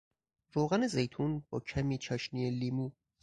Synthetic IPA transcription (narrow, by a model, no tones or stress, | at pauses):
ɾoːɣænezejt̪ʰunbɒ̰ːcʰæmiːt͡ʃʰɒːʃnieliːmu